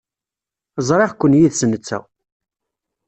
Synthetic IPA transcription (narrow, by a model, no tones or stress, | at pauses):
zˤɾˤeʁkʷːənːjiðsənːət͡sːæ̰